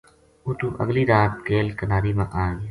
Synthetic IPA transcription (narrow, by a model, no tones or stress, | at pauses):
uːt̪ũːʔə̰ɡliːɾaːt̪̚keːlkənaːɾiːmãʔaːɡ